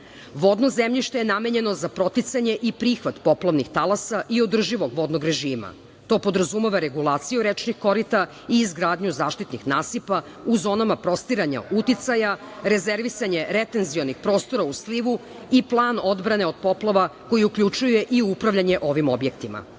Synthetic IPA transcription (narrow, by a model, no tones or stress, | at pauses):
ʋod̪no̞zemʎiʃt̪ejename̞ɲe̞no̞zapɾo̞t̪it̪saɲe̞ʔipɾiːxʋat̪po̞plaʋnixt̪alˠasaʔiod̪r̩ʒiʋo̞ɡʋo̞d̪noɡɾe̞ʒiːma̰ | t̪o̞ːpod̪ɾazumeʋaɾe̞ɡulˠaːt̪sijuɾet͡ʃnixko̞ɾit̪a | iːzɡɾaːd̪ɲuzaːʃt̪it̪nixnaːsipa | uzo̞ːnamapɾo̞st̪iɾaɲa̰ut̪it̪sajaɾe̞zeɾʋisaɲe̞ɾet̪e̞nzio̞nixpɾo̞ːst̪o̞ɾausliʋu | iplˠaːnod̪bɾane̞o̞d̪̥̚po̞plˠaʋako̞jiukʎut͡ʃujue̞ʔiupɾaʋʎaɲe̞ʔo̞ʋimobje̞kt̪ima̰